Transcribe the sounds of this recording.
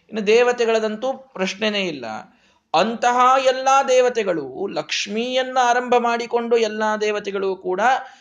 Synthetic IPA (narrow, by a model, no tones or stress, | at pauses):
inːɐd̪ɛːʋɐt̪ɛɡɐɭɐd̪ɐnt̪upɾɐʂɳeneːjilːɐ̰ | ɐnt̪ɐɦaːɛlːaːd̪ɛːʋɐt̪ɛɡɐɭṵlɐkʂmiːjɐnːuaːɾɐmbʱɐmaːɽiko̞ɳɖuɛlːaːd̪ɛːʋɐt̪ɛɡɐɭuːkuːɽɐ